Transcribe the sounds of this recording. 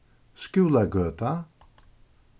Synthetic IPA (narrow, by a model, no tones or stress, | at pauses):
skʉːlˠaɡøːt̪a